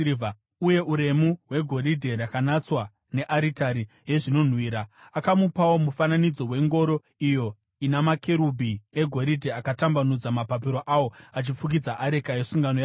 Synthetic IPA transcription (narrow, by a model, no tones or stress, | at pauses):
v | uje̞uɾe̞muwe̞ɡʱo̞ɾidʱe̞rakanat͡swa | ne̞ʔaɾitaɾi | ɦe̞ʐino̞n̤wiːɾaakamupawo̞mufananid͡zo̞we̞ŋɡo̞ɾo̞ | ijo̞ | inamakʰe̞ɾubʱieɡʱo̞ɾidʱe̞akatambanud͡zamapap̬iɾo̞ʔawo̞at͡ʃifuk̬id͡zaʔaɾekaesuŋɡanoja